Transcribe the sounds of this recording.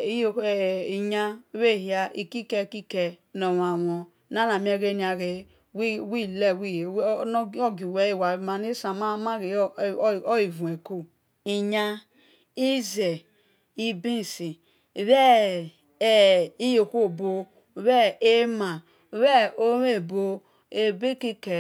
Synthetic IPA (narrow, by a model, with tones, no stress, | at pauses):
i˨ɲa˦βe˦˨hi˦a˦ʔi˨ki˦ke˦˨ki˦ke˨no˨wa˨wɔ˨ | na˦na˨m˦e˦ɾe˦ni˨˦a˨ɣe˨ | wwi˦˨le˦˨wi˦˨˦n˦o˦ɡi˨we˨i˦˨wa˨ma˨ne˦sa˨ma˦ma˦ɣe˨˦˨i˨vu˨e˨ko˦ | i˨ɲa˦ | i˦ze˨ | i˦bi˦˨si˨ | βɛ˦˨ | i˦jo˨kʷo˦˨bo˨˦ | βɛ˦e˦ma˨˦ | βɛ˦o˦we˦˨bo˦ | e˨be˦ki˦ke˨